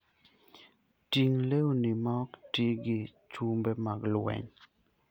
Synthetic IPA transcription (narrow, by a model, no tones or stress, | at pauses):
tiŋlewonimaɔktiɡɪt͡ʃumbemaɡlwɛ̰ɲ